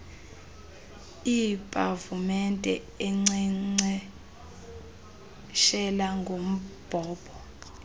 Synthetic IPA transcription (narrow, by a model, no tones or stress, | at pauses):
ipʼavumɛntʼɛ̰ | ɛŋ͡ǀiŋ͡ǀɛ | ʃɛlaŋɡʱom̩b̥ʱɔːb̥ʰʱʼɔ